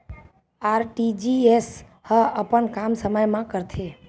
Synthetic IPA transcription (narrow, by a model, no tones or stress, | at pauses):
aɾʈid͡ʒies | həəpəɳkamsəməjmãkəɾt̪ʰe